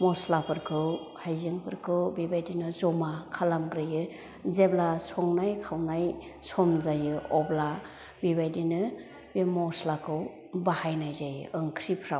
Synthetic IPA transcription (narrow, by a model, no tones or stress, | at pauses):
mɔslapʰɯɾkʰɯw | hajzɯŋpʰɯɾkʰɯwbibajdinɯzɔmakʰalamɡɾɯjɯ | zeblasɔŋnajkʰawnajsɔmzajɯɔbla | bibajdinɯ | bimɔslakʰɯw | bahajnajzajɯɯŋkʰɾipʰɾaw